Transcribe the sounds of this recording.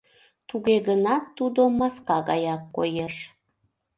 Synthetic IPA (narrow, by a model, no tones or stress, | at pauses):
t̪uɣeɣənɑt̪ːud̪omɑskɑɣɑ̰jɑkːo̰jeʃ